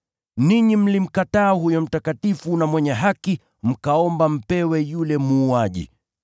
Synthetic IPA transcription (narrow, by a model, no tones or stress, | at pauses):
niɲim̩lim̩kataːhujɔm̩takatifunamwɛɲɛɦaki | m̩kaɔmbam̩pɛwɛjulɛmuːaʄḭ